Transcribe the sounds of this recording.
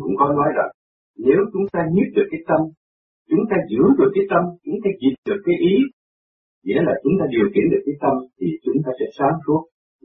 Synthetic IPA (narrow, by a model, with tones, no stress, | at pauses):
kʊ̰˧˥ŋ͡mkɔ˨˦nɔ˨˦jlaː˨˩ | ne˨˦wt͡ɕʊ˨˦ŋ͡mt̪aː˧ɲi˦˥t̚ɗɨ˨˩əkːaː˨˦jt̪ə˧m | t͡ɕʊ˨˦ŋ͡mt̪aː˧zɨ̰˧˥əɗɨ˨˩əkːaː˨˦jt̪ə˧mt͡ɕʊ˨˦˥ŋ͡mt̪aː˧zi˨˩t̚ɗɨ˨˩əkːaː˨˦jʔi˨˦ | zɛ̰˧˥laː˨˩t͡ɕʊ˨˦˥ŋ͡mt̪aː˧ɗi˨˩əwkḭ˨˧˥nɗɨ˨˩əkːaː˨˦jt̪ə˧mt̪ʰi˨˩t͡ɕʊ˨˦ŋ͡mt̪aː˧sɛ̰˧˥saː˨˦ŋsu˦˥ət̚